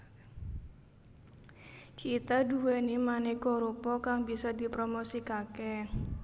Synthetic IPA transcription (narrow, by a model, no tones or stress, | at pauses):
kit̪aduwenimanikɔɾupɔkaŋbisɔdipɾomosikakɛ